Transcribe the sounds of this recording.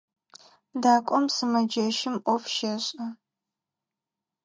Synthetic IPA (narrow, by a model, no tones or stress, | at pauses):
daːkʷʼɔmsɨmɐd͡ʒɐʃɪmʔʷɔfʃɐɕʼɐ